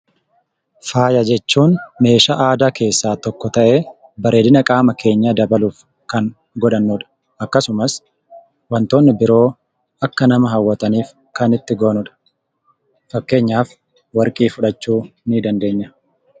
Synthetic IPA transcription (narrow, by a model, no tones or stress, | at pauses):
faːjɐd͡ʒɛt͡ʃːuːnme̞ːʃaʔaːd̪aːke̞ːsːaːt̪ɔkːɔt̪ɐʔe̞ː | bɐɾe̞ːd̪ɪnɐkʼaːmɐke̞ːɲːɐd̪ɐbɐluːf | kɐŋ | ɡɔᶑɐnːuᶑɐ̥ | ɐkːɐsʊmɐs | wɐnt̪o̞ːnːɪbɪɾo̞ː | ɐkːɐnɐmɐɦɐwːɐt̪ɐniːf | kɐnɪt̪ːɪɡoːnʊᶑɐ̥ | fɐkːe̞ːɲːaːf | wɐɾkʼiːfʊᶑɐt͡ʃːuːnid̪ɐnd̪e̞ːɲːɐ